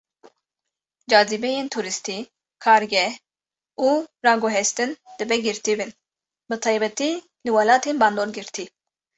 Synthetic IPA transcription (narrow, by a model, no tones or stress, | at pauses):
d͡ʒɑːzibɛjeːnt̪ʰuːɾɨst̪i | kʰɑːɾɡɛh | uːɾɑːɡoɦɛst̪ɨnd̪̥ɨbɛɡɨɾt̪iːbɨn | bɨt̪ʰɑːjbɛt̪i | lɨwɑlɑːt̪ʰeːnbɑːnd̪oːɾɡɨɾt̪ʰi